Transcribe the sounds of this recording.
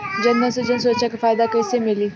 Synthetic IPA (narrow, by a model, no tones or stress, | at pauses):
d͡ʒənməsəd͡ʑəns̬uɾəʃʰakfajd̪akəjsemiliː